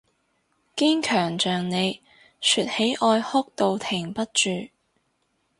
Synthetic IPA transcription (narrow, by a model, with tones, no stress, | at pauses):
ki˥ŋkʰœː˨˩ŋt͡ʃœː˨ŋne˨˧j | sʰyː˨t̚he˨˥jʔɔː˧jhʊ˥k̚t̪o˨˧wt̪ʰɪ˨˩ŋpɐ˥t̚t͡ʃyː˨